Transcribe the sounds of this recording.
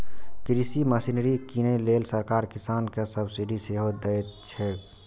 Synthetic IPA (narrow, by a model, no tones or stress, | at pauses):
kɾisiməsinɾikinelelsəɾkaɾkisankesəbsiɖiseɦod̪ɛt̪t͡ʃʰɛ